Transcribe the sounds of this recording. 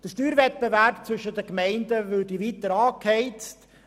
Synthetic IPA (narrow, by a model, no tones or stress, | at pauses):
d̥əʃtyːɾvɛt̚bevæɾp̚t͡sʋʏʃədəkmɛɪndəvʏdiviːt̪əɾɑːkʰɛɪt͡st